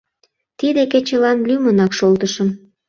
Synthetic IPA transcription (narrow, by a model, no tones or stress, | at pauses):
t̪id̪eket͡ɕəlɑnlymənɑkʃolt̪əʃəm